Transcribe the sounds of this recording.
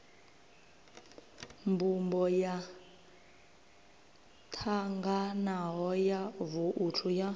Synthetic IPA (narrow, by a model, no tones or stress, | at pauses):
mbumbɔja | tʰaŋɡanaɦɔjavuʔutʰuja